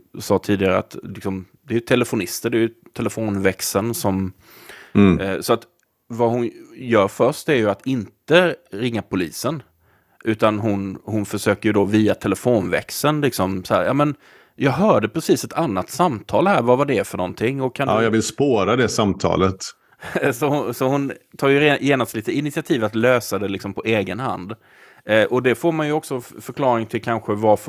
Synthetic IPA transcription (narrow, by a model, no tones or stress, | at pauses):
sɑːt̪ʰiːd̪ɪɡaɾəa̰t̪lɪksɔmd̪ɛɾjɵt̪ʰɛləfʊnɪst̪əɖɛjɵt̪ʰɛlɛfoːnvɛksənsɔm | sɔat̪ | vahʊnjœːɾfœʂʈ̪æɾjɵat̪ɪnt̪əɾɪŋːapʰʊliːsən | ʔʉ̟ːt̪anɦʊnhʊnfœʂøːkəɾjɵd̪oviːat̪ʰɛlɛfoːnvɛ̰ksənlɪksɔmsahæ̰ːɾjɑ̰ːmɛn | jɑːɡɦœːɖəpʰɾɛsiːsɛt̪ʰanːat̪samt̪ʰɑːlhæːɾvavad̪ɛːfœɳɔnt̪ʰɪŋːɔkʰːanːjɑːɡvɪlspoːɾad̪ɛsamt̪ʰɑ̰ːlət̪ | sɔhʊsɔhʊnt̪ʰɑːɾjɵjeːnast̪liːt̪əɪnɪt̪sɪat̪ʰiːvat̪løːsad̪ɛlɪksɔmpʰɔʔeːɡənha̰nd̪ | ʔɔd̪ɛfoːɾmanjɵɔksɔfœɾkʰlɑːɾɪŋt̪ʰɪlkʰanɧəvaf